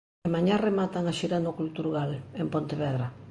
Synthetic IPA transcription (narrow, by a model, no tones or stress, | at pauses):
emaɲaremat̪aŋaʃiɾanokult̪uɾɣalempont̪eβɛðɾa